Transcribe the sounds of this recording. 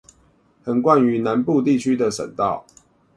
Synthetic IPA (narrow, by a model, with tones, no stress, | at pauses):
hə˨˩nkwa˥˨ny˨˦na˨˦npu˥˧t̪̬i˥˨t͡ɕʰy˦d̪ə˨ʂə̰˨˩nt̪ɑ˥˨ʊ